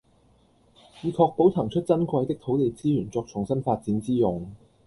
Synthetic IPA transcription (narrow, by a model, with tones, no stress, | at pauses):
jiː˨˧kʰɔː˧k̚po˨˥wt̪ʰɐ˨˩ŋt͡ʃʰɵ˥t̚t͡sɐ˥nkwɐ˧jt̪ɪ˥k̚t̪ʰo˨˥wt̪e˨˧jt͡siː˥jyː˨˩nt͡sɔː˧k̚t͡ʃʰʊ˨˩ŋsɐ˥nfaː˧t̚t͡siː˨˥nt͡siː˥jʊ˨ŋ